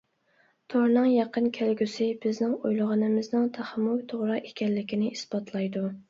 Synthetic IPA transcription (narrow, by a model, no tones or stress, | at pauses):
t̪ʰoɾnɨŋjɑqʰənkʲʰælɡʲysɪbɪznɪŋojlˠəʁɑnɨmɪznɨŋt̪ʰæχmːukt̪ʰoʁɾɑʔekʲɛnlɪkʲʰinɪʔisbɑt̪ʰlˠɑjd̪u